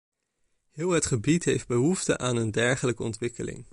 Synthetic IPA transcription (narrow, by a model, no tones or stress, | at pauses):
hɪːlˠətχəbitɦejfd̚bəɦuftəʔaːnəndɛɹχələkəɔntʋɪkəlɪ̰ŋ